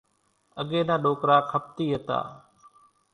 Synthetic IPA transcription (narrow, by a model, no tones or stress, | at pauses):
əɠeːnãːɗoːkɾaːkʰəp̚t̪iːɦət̪a̰ː